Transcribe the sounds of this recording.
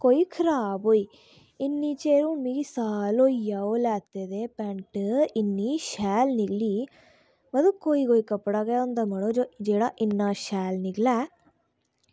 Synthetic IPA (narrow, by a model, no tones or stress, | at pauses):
kojkʰɾaboj | inːit͡ʃeːɾumiɡisaːloijɐolaːt̪ːed̪epaɳʈɨinːiʃaːlniɡli | ʋɐd̪ukːojiɡojkɐpːɽaɡeond̪ɐmɐɽod͡ʒod͡ʒeːɽaʔinːaːʃaːlniɡla